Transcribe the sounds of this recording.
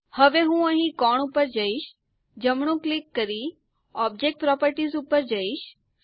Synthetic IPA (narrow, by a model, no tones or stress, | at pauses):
həʋeɦũəɦĩkɔɳ̃upəɾd͡ʒəiʃ | d͡ʒəmɳũklɪkːəɾi | ɔb̚d͡ʒek̚ʈ̚pɾɔpəɾʈizupəɾd͡ʒəiʃ